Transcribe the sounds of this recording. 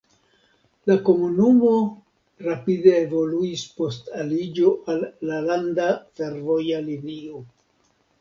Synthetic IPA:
lako̞munumo̞ | ɾapide̞evo̞luispo̞stalid͡ʒo̞ʔalːalandafe̞ɾvo̞jalinio

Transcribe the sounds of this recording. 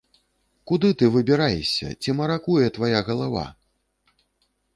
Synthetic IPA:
kud̪ɨt̪ɨvɨbʲiɾajɛsʲɐ̰t͡sʲimɐɾakujɛt̪vajaɣɐlˠava̰

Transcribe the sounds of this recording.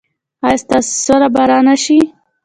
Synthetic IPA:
ɑjst̪assoɾabaɾɑnaʃi

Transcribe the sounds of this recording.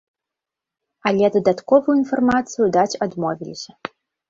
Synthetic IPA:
alʲɛd̪ɐd̪at̪kɔvɨjuinfɐrmat̪sɨjud̪at͡sʲad̪mɔvʲilʲḭsʲɐ

